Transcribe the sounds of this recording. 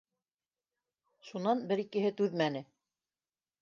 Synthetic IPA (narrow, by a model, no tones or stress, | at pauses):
ʃunɑnbɘɾikɘ̆ɦɘt̪ʉðmænɘ